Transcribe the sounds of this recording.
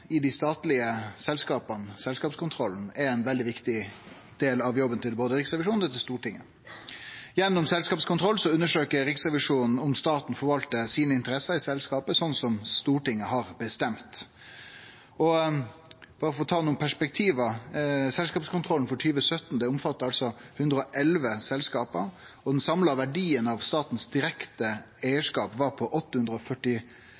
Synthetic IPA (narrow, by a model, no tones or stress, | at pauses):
ɪd̪ɪst̪ɑːt̪lɪəsɛlskɑːpɑnsɛlskɑːpskʰʊnt̪ʰɾɔln̩ɛɛɪnʋɛld̪ɪʋɪkt̪ɪ | d̪̥eːlɑʋjɔbənt̪ʰɪlboːd̪əɾɪksʁɛʋɪʂuːnɛt̪ʰɪst̪uːʈɪŋːə | jɛnːʊmsɛlskɑːpskʰʊnt̪ʰɾɔlːsɔʉnːəʂøːkəɾɪksʁɛʋɪʂuːnn̩ɔmst̪ɑːt̪n̩fɔɾʋɑlt̪əsiːnəɪnt̪əɾɛsɑɾɪsɛlskɑːpəsɔnsɔmst̪uːʈɪŋːəɦɑɾbəst̪ɛmt̪ | ɔ | b̥ɑːɾəfɔɾɔt̪ʰɑːnuːənpʰæʂpɛk̚t̪ʰiːʋəsɛlskɑːpskʊnt̪ʰɾɔln̩fɔʈʰyːʋəsœt̪n̩d̪ɛʊmfɑt̪ːəɾɑlsɔhʉnd̪ɾəɔʔɛlʋəsɛlskɑːpəɾ | ɔd̪ɛnsɑmlɑʋæɖiːənɑʋst̪ɑːt̪n̩sd̪ɪɾɛkt̪ə | æɪəʂkɑːpʋɑɾpʰɔʔɔt̪ːəhʉnd̪ɾəɔfœʈːɪ